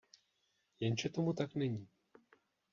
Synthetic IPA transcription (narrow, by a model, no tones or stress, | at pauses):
jɛnʒɛt̪omut̪aknɛɲiː